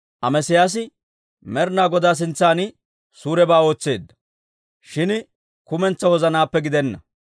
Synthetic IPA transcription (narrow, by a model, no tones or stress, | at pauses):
ʔɐmɛsɪjaːs̬ɪ | mɛɾnaːɡɔd̪aːs̬ɪnt͡sːaːnɪ | suːɾɛbaːo̞ːt͡sːe̞ːd̪ːɐ̥ | ʃɪn | kʊmɛnt͡sːɐwɔzɐnaːpːɛɡɪd̪ɛnːɐ̰